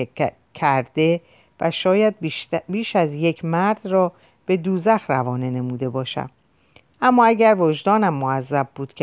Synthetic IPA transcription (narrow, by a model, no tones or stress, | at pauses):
cʰæɾd̪e̞ | væʃɒːjæd̪̚biːʃæzje̞cʰmæɾd̪̥rɒː | b̥e̞d̪uːzæxrævɒːne̞ne̞muːd̪e̞bɒːʃæ̰m | ʔæmːɒːæɟæɾvod͡ʒd̪ɒːnæmːoæzːæb̚buːd̪̥cʰe